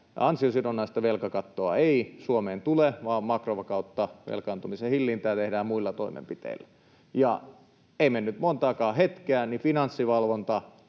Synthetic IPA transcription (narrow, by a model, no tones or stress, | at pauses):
ɑnsiosinonːɑist̪ɑʋelkɑkɑt̪ːoɑ̰eisuomeːnt̪uleʋɑːmmɑkroʋɑkɑut̪ːɑʋḛlkɑˑnt̪umisehilːint̪æːt̪ehdæːmmuilːɑt̪oimḛmpit̪ḛilːæ | jɑ | eimenːyt̪mont̪ɑːkɑːhet̪keæˑnifinɑnsːiʋɑlʋont̪ɑ